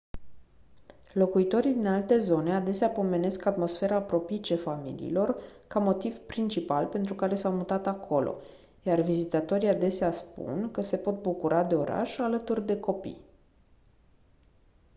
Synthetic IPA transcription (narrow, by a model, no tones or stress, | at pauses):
lo̞kuit̪o̞ɾid̪inalt̪e̞zo̞nead̪e̞seapo̞me̞ne̞skat̪mo̞sfe̞ɾaːpɾo̞pit͡ʃe̞famḭlḭḭlo̞rkamo̞t̪iv̥pɾint͡ʃipalpe̞nt̪ɾukaɾe̞sawmut̪at̪akʰo̞lʔo̞̰ | jarvizit̪at̪o̞ɾiad̪e̞seaspṵnkəse̞po̞t̪̚bukuɾʔad̪e̞o̞ɾa̰ʃalət̪urd̪e̞ko̞pḭj